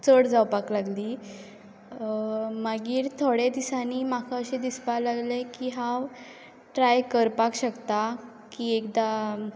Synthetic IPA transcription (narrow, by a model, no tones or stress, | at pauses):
t͡səɽd͡zawpaklaɡliː | maɡiːɾt̪ʰoɽed̪isaniːmakʰaəɕẽd̪ispalaɡlekiɦãw | ʈɾajkəɾpakɕəkt̪a | kiːekd̪a